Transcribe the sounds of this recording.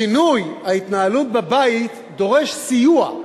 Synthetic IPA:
inujhait̪naalut̪̚bebait̪ | d̪o̞ʁe̞ʃsijua

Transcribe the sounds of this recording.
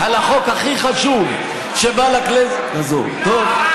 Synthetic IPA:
halaχokaχiχaʃuv | ʃebalaklez | nazo̰ʁt̪ov

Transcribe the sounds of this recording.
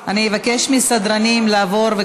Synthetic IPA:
anievakeʃmisad̪ɾanimlaːvo̞ɾve

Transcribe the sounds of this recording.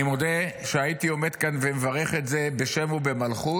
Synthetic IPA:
imod̪eʃeajit̪io̞me̞d̪kanvemevaʁe̞χetze̞beʃe̞mubemalχu

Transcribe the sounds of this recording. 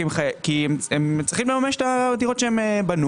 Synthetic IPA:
emχakiememt͡sʁiχimlemame̞ʃet̪aat̪iʁo̞tʃeemebanu

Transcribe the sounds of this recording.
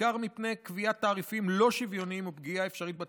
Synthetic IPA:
aʁmipnejkviat̪ːaːʁifimlo̞ʃivjo̞niimubɡiae̞fʃaʁit̚ba

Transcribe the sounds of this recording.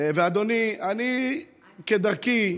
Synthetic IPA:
vead̪oniani | ked̪aʁki

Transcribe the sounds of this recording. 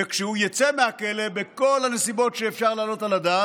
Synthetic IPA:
ekʃehujat͡semeakelebeko̞lhanesibo̞tʃeːfʃaʁlaːlo̞talad̪a

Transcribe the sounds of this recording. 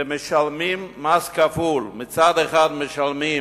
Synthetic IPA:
mɪʃalmimːaskafulmɪt͡sad̪eχad̪mɪʃalmi

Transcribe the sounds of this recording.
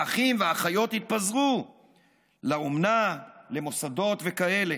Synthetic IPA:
aχimveaχajo̞t̪hit̪̚pazʁu | laomnale̞mo̞sado̞t̪ve̞kae̞le̞

